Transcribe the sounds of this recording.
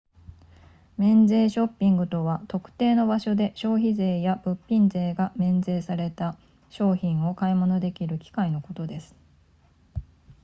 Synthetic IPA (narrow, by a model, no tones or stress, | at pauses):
mẽ̞nd͡ze̞ːɕo̞pʲːĩŋɡɯ̟t̪o̞βat̪o̞kɯ̟̥t̪e̞ːno̞baɕo̞d̪e̞ɕo̞ːçize̞ːjab̥ɯ̟pʲːĩnze̞ːɡamẽ̞nd͡ze̞ːsaɾe̞t̪a | ɕo̞ːçĩɰ̃o̞kaimo̞no̞d̪e̞kʲiɾɯ̟kʲi̥kaino̞ko̞t̪o̞d̪e̞sɨ̥